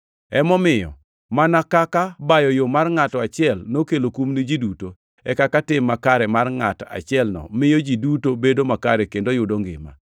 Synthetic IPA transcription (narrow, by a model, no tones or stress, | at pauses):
ɛmɔmɪjɔ̰ | manakakabajɔjomarŋatɔat͡ʃɪɛlnokelokumnid͡ʒiduto | ɛkakatɪmːakaɾɛmarŋata̰t͡ʃɪɛlnɔ̰mɪjod͡ʒidutobedomakaɾɛkendojʊdoŋɡɪ̰ma̰